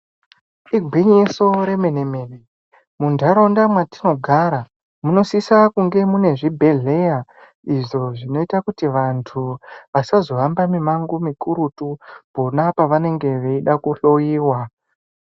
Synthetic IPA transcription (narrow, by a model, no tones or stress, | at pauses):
iɡʱwiɲeso̞ɾe̞me̞nemeːne | mundʱaɾo̞ndamwati̥no̞ɡʱaɾa | muno̞sisakuŋɡe̞mune̞ʐibʱe̞ɮe̞ja | iʐo̞ʐino̞itakutiʋantʰuʋasazo̞ambamimaŋɡumikuɾutubonapaʋane̞ŋɡe̞ʋeiɗakuɬo̞jiːwa